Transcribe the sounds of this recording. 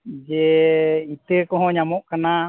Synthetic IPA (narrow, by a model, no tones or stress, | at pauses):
d͡ʒɛit̪əkɔɦɔ̃ɲamɔʔkana